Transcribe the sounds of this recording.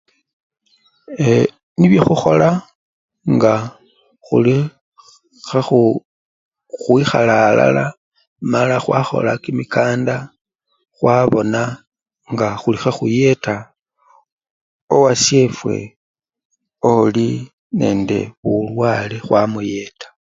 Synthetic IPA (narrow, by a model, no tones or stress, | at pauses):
e | niβjoxuxo̞la | ŋɡa | xuli | xaxu | xwixa̰laːla̰la | malaxwaxo̞̰lakimikaːnda | xwaβo̞na | ŋɡaxulixaxuje̞ta | owasje̞fwe̞̰ | oli | ne̞ːnde̞̰βulwaːlexwamuje̞tḁ